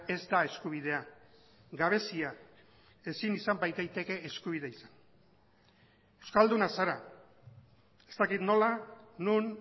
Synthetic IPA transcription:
e̞zd̪ae̞skuβ̞iðe̞a | ɡaβ̞e̞sia | e̞sinisambajt̪ejt̪e̞ke̞ːskuβ̞ið̞e̞isan | ewskald̪unasaɾa | e̞̥st̪akit̪no̞lanun

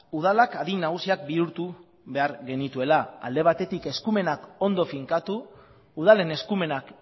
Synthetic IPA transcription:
uð̞alakaðinːaɣ̞usiak̚biuɾt̪u | βe̞aɾɣe̞nit̪ue̞laa̰ld̪e̞β̞at̪e̞t̪ike̞skume̞nako̞nd̪o̞fiŋkat̪uː | ð̞ale̞ne̞skume̞nak

